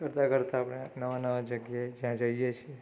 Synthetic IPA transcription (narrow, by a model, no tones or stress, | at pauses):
kəɾt̪akəɾt̪aːpɽ̃enəʋanəʋad͡ʒəɡjaed͡ʒjãd͡ʒəijet͡ʃʰie